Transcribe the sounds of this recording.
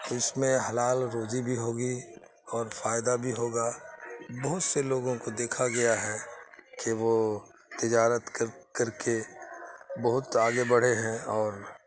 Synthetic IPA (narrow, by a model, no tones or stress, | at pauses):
t̪oɪsmẽɦɐlaːlɾoːd͡ʒibʱiɦoːɡi | ɔːɾfaːjd̪abʱiɦoːɡaːbɐɦʊt̪seloːɡõkod̪eːkʰaɡɐjaɦɛkeʋot̪ɪd͡ʒaːɾət̪kəɾkɐɾke | bɐɦʊt̪aːɡebɐɽ̤eɦɛ̃ɔːɾ